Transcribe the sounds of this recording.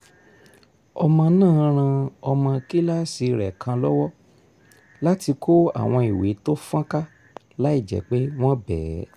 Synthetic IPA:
ɔ˧mã˧nãː˦˨˦ɾ̃ã˧ɔ˧mã˧ki˦la˦si˧ɾɛ˨kʰã˧lɔ˦wɔ˦ | la˦ti˧kʰo˦a̰˦˨w̃ɔ̃˧i˨we˨˦to˦fã˦ka˦ | la˦i˦˨d͡ʒɛ̰˨k͡pe˦w̃ɔ̃˦bɛː˨˦

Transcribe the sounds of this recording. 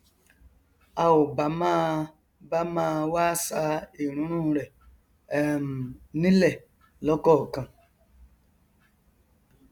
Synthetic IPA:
a˧wo˨ba˨˦mã˦˧ | ba˦mãː˦˧waː˦sa˧˦i˨ɾ̃ũ˨˦ɾ̃ũ˦˧ɾɛ˨˦ | m˨nĩ˦lɛ˦˨ | lɔ˨˦kɔ˦˨kã˧

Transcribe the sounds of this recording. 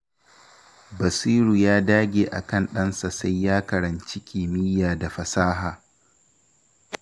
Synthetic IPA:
bɐ˨siː˦ɾuː˨jaː˦daː˦ɡʲeː˨ʔa̰˨kɐ˦˨nɗɐ˦nsa˨sa˦jːaː˦kɐ˨ɾɐ˨nt͡ʃɪ˦kʲʰiː˨mɪ˦jaː˨da˨ɸɐ˨saː˦ɦaː˨

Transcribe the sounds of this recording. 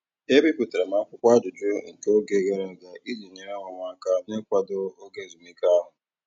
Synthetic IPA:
e˦bi˦pu˨te˨ɾe˨ma˨˦kʷʊ˦kʷa˦d͡ʒʊ˨d͡ʒʊ˦ŋ̩˨ke˦o˦ɡe˦ɣe˦ɾe˨za˨ʔi˦zi˨ɲe˨ɾe˦ŋʷa˨ŋʷa˦ka˦ne˦kʷa˦do˦o˦ɡe˦˨zu˨mi˦ka˦ɦʊ˨

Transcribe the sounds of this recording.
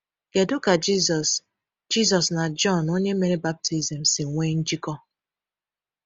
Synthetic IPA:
ɡ̥e˨dʊ˦ka˨d͡ʒi˦zɔ˨s | d͡ʒi˦zɔ˨sna˨d͡ʒɔ˦˨no˦ɲe˦me˦ni˦ba˦p̚tʰi˦zi˨m̩˨si˨ŋ̩˨ŋʷe˦n̩˦d͡ʒi˦kɔ˦

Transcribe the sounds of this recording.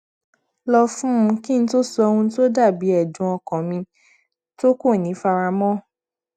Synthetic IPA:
lɔ˧fũ˦˧ki˦n̩˦to˦su˧ɔ˧wũ˧˦to˦da˦˨bi˨˦ɛ˦˨d͡ʒũ˨˦ɔ˧kɔ̃˨mĩ˧ | to˦ko˦˨nĩ˨˦fa˧ɾa˧mɔ̃˦

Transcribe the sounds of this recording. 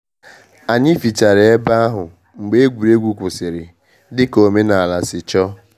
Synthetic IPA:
a˨ɲɪ˦fi˨t͡ʃa˨ɾɪ˨e˦ba˦a˦ɦʊ˨ | ŋ͡m̩˨ɡ͡be˦e˦ɡʷu˨ɾe˦ɡʷu˦kʷʊ˨sɪ˨ɾɪ˨ | dɪ˦ko˨me˦na˨a˨la˨sɪ˨t͡ʃɔ˦

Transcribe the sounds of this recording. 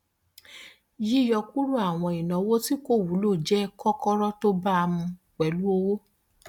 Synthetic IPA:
ji˦jɔ˧ku˦ɾu˦a˦˨w̃ɔ̃˧˨i˨nã˨˦wo˦ti˦ko˦˨wu˨˦lo˦˨d͡ʒɛ˦kɔ˦kɔ˦ɾɔ˦to˦ba˦˧mũ˧ | k͡pɛ˨˦lu˦o˧wo˦

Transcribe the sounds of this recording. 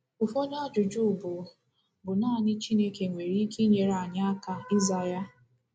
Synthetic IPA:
ʊ˨fo˦ɲ˦a˦d͡ʒʊ˨d͡ʒu˦˨bʊ˨ | bʊ˨naː˦˨nɪ˦t͡ʃi˦ne˦ke˨ŋʷe˨ɾi˦i˦ki˦ɲe˨ɾa˨ɲa˦a˦ka˦i˦za˦ja˦

